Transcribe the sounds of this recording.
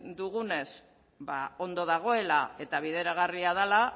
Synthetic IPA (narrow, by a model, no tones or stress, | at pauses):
d̪uɣune̞s | bao̞nd̪o̞ð̞aɣ̞o̞e̞lae̞t̪aβiðe̞ɾaɣariað̞ala